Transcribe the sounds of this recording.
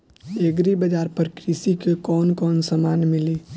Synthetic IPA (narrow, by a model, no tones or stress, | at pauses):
eɡɾibəd͡ʒaɾpəɾkɾisikekɔnkɔnsəmanmili